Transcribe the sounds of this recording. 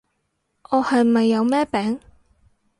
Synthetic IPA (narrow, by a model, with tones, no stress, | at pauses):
ʔɔː˨˧hɐ˨jmɐ˨jːɐ˨˧wmɛː˥pɛː˨˥ŋ